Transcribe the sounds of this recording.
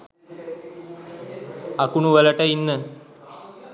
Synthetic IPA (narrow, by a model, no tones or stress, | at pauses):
akuɳuʋələʈəinːə